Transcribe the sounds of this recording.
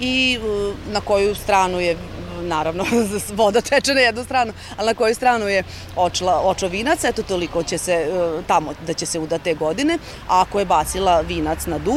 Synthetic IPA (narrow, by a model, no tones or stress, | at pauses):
i | nako̞just̪ɾaːnujenaːɾaʋnoʋo̞d̪at̪ɛt͡ʃenajɛd̪nust̪ɾaːnu | alinako̞just̪ɾaːnuje | ot͡ʃlˠaot͡ʃoʋiːnat̪saɛt̪ot̪oliko̞t͡ɕeset̪amod̪at͡ɕese̞ud̪at̪ːeːɡo̞d̪ine̞ | akojebaːt̪silˠaʋiːnat̪snad̪u